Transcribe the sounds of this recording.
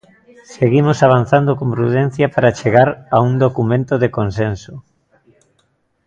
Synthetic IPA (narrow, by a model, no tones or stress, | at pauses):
seɣimosaβ̞anθand̪okompɾuðɛn̟θjɐpaɾat͡ʃeɣaɾauŋd̪okumẽnt̪oðekonsenso